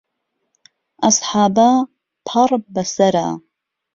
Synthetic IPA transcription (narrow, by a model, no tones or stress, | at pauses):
ʔɑsˤħaːbaː | pʰɑɾˤbɐsɐɾa̰ː